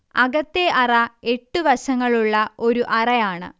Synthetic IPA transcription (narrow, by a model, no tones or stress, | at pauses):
ɐɡɐt̪ːeʔɐrɐe̞ʈːuʋɐɕɐŋːɐɭuɭːɐʔo̞ɾuʔɐrɐjaːɳɨ̰